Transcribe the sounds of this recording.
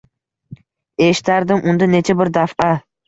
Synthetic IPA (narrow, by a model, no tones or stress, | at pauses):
eʃt̪æɾd̪ɪmʔund̪anet͡ʃʰabɪɾd̪afʔɑ